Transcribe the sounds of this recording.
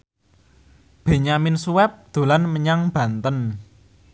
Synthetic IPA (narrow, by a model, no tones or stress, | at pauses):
b̥e̤ɲamɪnsuwɛp̚d̪̥o̤lanməɲaŋb̥ä̤nt̪ən